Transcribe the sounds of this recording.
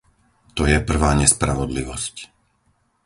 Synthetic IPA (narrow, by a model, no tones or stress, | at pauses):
t̪ɔjɛpr̩ʋaːɲɛspɾaʋɔd̪liʋɔsc